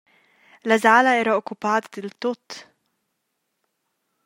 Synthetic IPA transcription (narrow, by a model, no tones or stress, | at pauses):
lazaːlaɛːɾaʊkːʊpaːt̪d̪ɪlt̪ʊt̪ː